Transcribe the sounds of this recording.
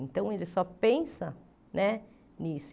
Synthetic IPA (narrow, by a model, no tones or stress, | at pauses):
ẽnt̪ɐ̃w̃elɪsɔpẽsɐ | nɛ | nis